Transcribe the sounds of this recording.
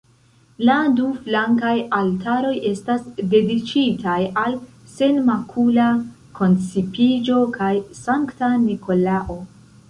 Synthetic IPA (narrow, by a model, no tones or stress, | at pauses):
laduflaŋkajaltaɾo̞je̞stasde̞dit͡ʃitajalse̞nmakʰula | kʰo̞nt͡sipid͡ʒo̞kajsaŋktaniko̞laʔo̞